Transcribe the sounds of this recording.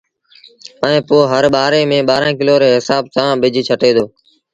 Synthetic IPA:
əẽːpoːɦəɾɓaːɾeːmẽːɓaːɾãːk̬ɪloːɾeːɦɪsaːbt̪ãːɓɪd͡ʒʱt͡ʃʰəʈeːd̪oː

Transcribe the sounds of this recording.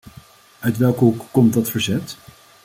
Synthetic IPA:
œɥtʋɛlˠkəɦukːɔmtdɑtfəɹzɛt

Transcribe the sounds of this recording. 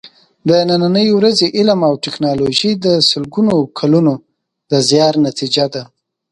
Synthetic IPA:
d̪ənananəjwɾazeʔɪlamawʈɪknɑloʒid̪əsəlɡunokʰaluno | d̪əzjɑɾnat̪id͡ʒad̪a

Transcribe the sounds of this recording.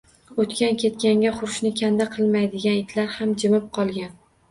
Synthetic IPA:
ot̪kʲankʲe̞t̪̚kʲaŋɡʲaχʊɾʊʃnɪkʲʰand̪aqʰɨlˠmajd̪ɪɡʲanɪt̪ʰlaɾhamd͡ʒɪmɪp̚qʰɒlˠɡʲan

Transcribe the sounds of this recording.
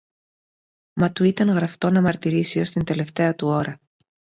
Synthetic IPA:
mɐt̪uit̪ɐŋɣɾɐft̪o̞nɐmɐɾt̪iɾisio̞st̪ind̪e̞le̞ft̪e̞ɐt̪uo̞ɾɐ

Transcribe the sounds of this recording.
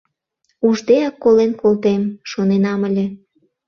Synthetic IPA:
uʒd̪eɑkːolenkolt̪emʃonenɑməlʲe

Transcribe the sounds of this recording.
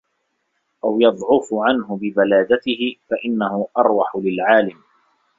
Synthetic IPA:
ʔawjɑd̪ˤʕʊfʊʕanhʊbɪbalaːd̪at̪ɪhɪfaʔɪnːahʊʔɑɾˤwɑħʊlɪlʕaːlɪm

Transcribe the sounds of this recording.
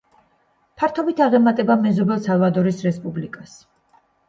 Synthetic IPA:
pʰaɾt̪ʰɔbit̪ʰaʁɛmat̪ʼɛbamɛzɔbɛlˠsalvad̪ɔɾisɾɛspʼublikʼas

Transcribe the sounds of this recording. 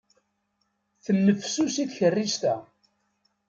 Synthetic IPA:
θənːəfsusiθçərːiʒt̪æ

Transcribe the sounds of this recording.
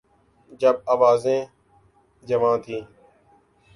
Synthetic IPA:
d͡ʒəb̚aːʋaːzẽː | d͡ʒəʋãːt̪ʰĩː

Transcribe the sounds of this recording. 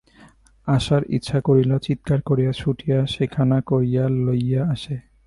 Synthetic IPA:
aʃaɾḭtːɕʰakoɾilat͡ɕit̪̚kaɾkoɾijaʃʰuʈijaʃekʰanakoɾijalojaaʃe

